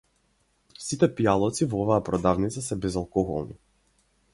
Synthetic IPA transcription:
sit̪ɛpialˠɔt̪sivɔɔvaːpɾɔd̪avnit̪sasɛbɛzalˠkɔɣɔ̰lˠnḭ

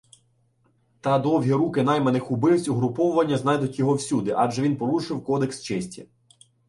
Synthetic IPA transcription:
t̪ɑd̪ɔwɦʲiɾukɪnɑjmɛnɪxʊbɪwsʲuɦɾʊpɔwʊʋɐnʲːɐznɑjd̪ʊtʲjɔɦɔwsʲud̪ɪʔɑd͡ʒɛʋʲinpɔlˠuʃɪwkɔd̪ekst͡ʃɛsʲtʲɐ

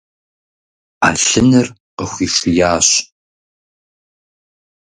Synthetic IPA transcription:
a̰ːɬɨnɨr | qəxʷiːʂɪjaːɕ

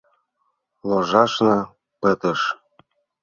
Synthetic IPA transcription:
loʒɑʃnɤ | pə̆t̪ɤ̆ʃ

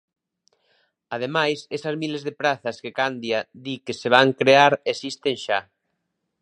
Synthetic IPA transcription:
að̞emajsesɐzmilezðepɾaθɐskekand̪jaðikeseβ̞aŋkɾeaɾesist̪eŋʃa

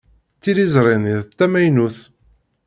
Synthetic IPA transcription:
t͡sːiɾizɾˤeniðθt̪ːæmæjnuθ

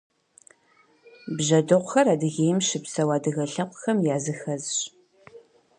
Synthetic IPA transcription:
bʒɐdɨʁʷʊxɐraːdɨɣeːjmʃɪpsɐwaːdɨɣɐɬɐqʷʊxɐmjaːzɨxɐzɕ

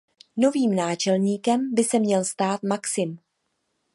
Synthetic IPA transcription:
no̞viːmnaːt͡ʃɛlɲiːkɛmbɪsɛmɲɛlst̪aːt̪maksɪm

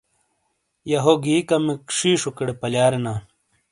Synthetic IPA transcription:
jɐɦoɡiːkɐmikʂiːʂukeɽepɐljaːɾena

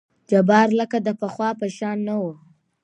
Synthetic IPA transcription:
d͡ʒabɑɾləkad̪əpəxwɑpəʃɑnːawu

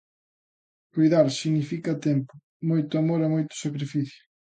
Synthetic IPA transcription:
kujðaɾsiɣnifikɐt̪ɛmpʊ̥ | mojt̪ʊamoɾamojt̪ʊ̥sakɾifiθjʊ̥

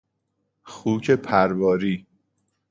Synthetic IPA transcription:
xuːcʰepʰæɾbɒːɾiː

